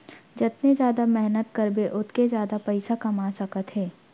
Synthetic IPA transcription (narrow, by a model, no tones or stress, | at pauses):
d͡ʒɪt̪nezjaːd̪amɛɦnət̪kɐɾbeʔʊt̪kezjaːd̪apɐɪsakɐmaːsɐkət̪ɦɛː